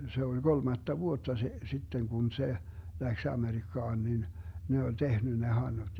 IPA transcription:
se olʲ ɡolmɑtːɑ ʋuotːɑ se sitːeŋ kun se læks ɑmerikːɑːn nin ne olʲ tehny ne hɑnːud̥

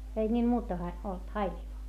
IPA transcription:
ei nʲiːl muːtɑ hɑ olt hɑilʲilŏĭ

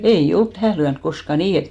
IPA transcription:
ei olt tæhæˑ lyænk koskɑ niː et

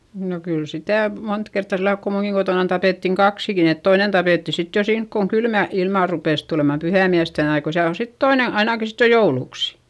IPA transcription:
no kyl sitæˑ mont kertːɑ silːɑlk ko muːŋkiŋ ɡ̊otoˑnɑn tɑpeˑtːiŋ kɑksikin et toinen tɑpeˑtːi sit jo siːnk koŋ kylmæ ilmɑˑ rupeˑs tulemɑm pyhæˑmiæsten ɑi ko siæl o sit toine ɑinɑˑki sit jo jouluˑks

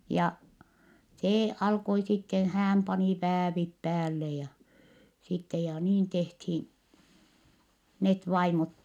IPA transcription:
jɑ seː ɑlkoi sitːen̞ hæːm pɑni ʋæːʋip pæːlːe jɑ sitːe jɑ niːn tehthiːn net ʋɑimot

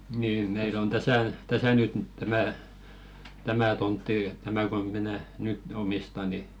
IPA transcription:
niː meil on tæsæˑ tæsæ nyt tæmæˑ tæmæˑ tontːi tæmæ ko minæ nyt omistɑ ni

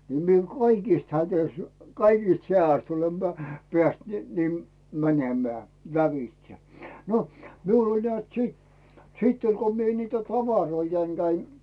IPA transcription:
ni mie kɑikiˑst hætøĭst kɑikist heææst olem peæˑ peæˑst niː ni mænʲemæː læʋitse no miul olʲ nĕæˑt sit sitː olʲ ko mie nitæ tɑʋɑroijɑiŋ ɡ̊æin

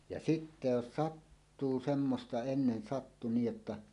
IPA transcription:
jɑ sitːe jos sɑtːuː semːostɑ enːen sɑtːu niːj jotːɑ

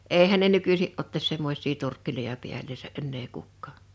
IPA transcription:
ʔeihæn ne nykysiʔ ʔotːɑs semːosʲˑiː turkːilojɑ piælːeːsæ ʔenːeː kukːɑː

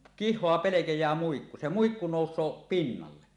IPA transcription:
kihˑoɑ pelekejˑæː muikːu se muikːu noˑusˑoː pinːɑlːe

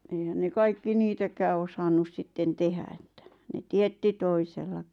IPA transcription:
eihæn ne kɑikːi niːtækæː osɑnːus sitːen tehæ etːæ ne tietːi toiselːɑki̥

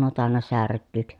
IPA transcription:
nuo tɑˑenːɑ særkːyˑk

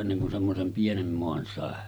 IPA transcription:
enːeŋ kun semːosem pienem moɑn sɑˑe

